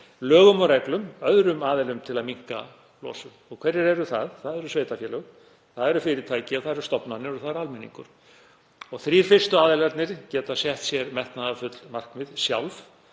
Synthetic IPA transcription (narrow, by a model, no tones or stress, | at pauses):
lœːɣʏmɔɾɛklʏmœðɾʏmaːðɛlʏmt̪ʰɪlaðmiŋ̥ka̰ | lɔ̰ːsʏmɔɣkʰvɛrɪɾɛɾʏθaðθaðɛɾʏsveːjt̪afjɛlœɣ | θaðɛɾʏfɪɾɪt̪ʰaːjcɪaθaðɛɾʏst̪ɔpnanɪɾɔθaðɛɾalmɛnːḭŋkʏ̰ɾ̥ | ɔɣθɾiɾ̥fɪr̥st̪ʏaːðɛlaɾt̪nɪɾcɛːt̪asjɛht̪sjɛɾmɛht̪naðafʏt̪lmar̥kmɪðsja̰wlv